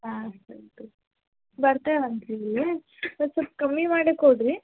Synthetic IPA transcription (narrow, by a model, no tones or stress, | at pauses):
aːstɐnt̪u | bɐɾt̪eːʋɐnt̪ɾii | ɐsupːkɐmːimaːɽekoɖɾi